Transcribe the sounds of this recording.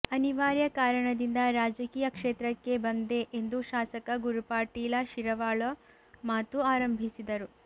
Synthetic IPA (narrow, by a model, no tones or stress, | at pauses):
ɐniʋaːɾjɐkaːɾɐɳɐd̪ind̪ɐɾaːd͡ʒɐkiːjɐkʂeːt̪ɾɐkːe̞bɐnd̪e̞ʔend̪uʃaːsɐkɐɡuɾupaːʈiːlɐʃiɾɐʋaːɭo | maːt̪uaːɾɐmbʱisid̪ɐɾu